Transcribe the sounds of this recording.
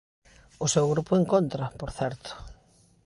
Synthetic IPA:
ʊsewɣɾupʊeŋkont̪ɾɐpoɾθɛɾt̪ʊ̥

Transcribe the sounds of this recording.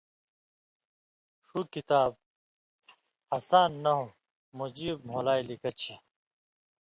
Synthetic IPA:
ʂukit̪aːb̚ | ɐsaːnːɐɦo | mud͡ʑiːb̚m̤olaːjlikɐt͡ɕʰɐ

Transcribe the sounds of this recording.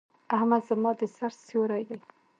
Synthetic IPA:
ahmad̪zəmɑd̪əsaɾsjoɾɑjd̪aj

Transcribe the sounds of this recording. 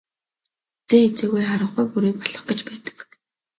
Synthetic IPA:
t͡seːxet͡seːɣujχaɾə̆ɴχujpuɾiːpɔɮɞ̆χɡ̥ĕt͡ɕpæːt̪ə̥̆k

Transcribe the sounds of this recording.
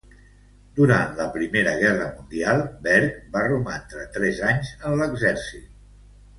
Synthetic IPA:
d̪uɾant̪ləpɾimeɾəɣɛrəmund̪ialˠbɛɾkbarumant̪ɾət̪ɾɛzaɲzənləɡzɛɾsit̪̚

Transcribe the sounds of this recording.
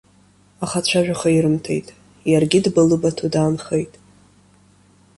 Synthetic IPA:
aχat͡ɕʷʰaʒᶣaχaiɾɨmtʰe̞̰jtʼ | jarɡʲɪdbɨlɨbatʰudaːnχejtʼ

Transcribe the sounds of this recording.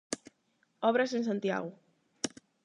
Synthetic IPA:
ɔβɾasensãnt̪ja̰ɣʊ

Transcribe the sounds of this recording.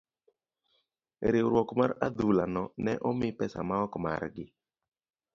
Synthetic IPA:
ɾewɾwɔkmaɾad̪ulanɔnɛʔɔmɪpɛsa̰maɔkma̰ɾɡɪ

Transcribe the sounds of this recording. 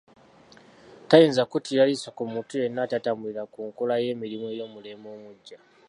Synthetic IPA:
tajeːnzakutiɾalisakumutuje̞nːatatamuliɾakuŋkulaje̞ːmiɾimoejo̞ːmule̞moːmuɟːa

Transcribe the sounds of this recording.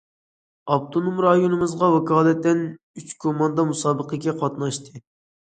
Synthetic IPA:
ɑb̚t̪ʰonomɾɑjonɨmɨzʁɑwɛkɑːlˠɛt̪ːɛn | yt͡ʃkʰomɑnd̪ɑmusɑːbəqʰəkʲɛqʰɑt̪nɑʃt̪ʰɨ

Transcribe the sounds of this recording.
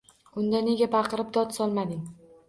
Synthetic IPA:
ʊnd̪ane̞ɡʲabɑqʰɨɾɪp̚d̪ɒt̪sɒlˠmad̪ɪŋ

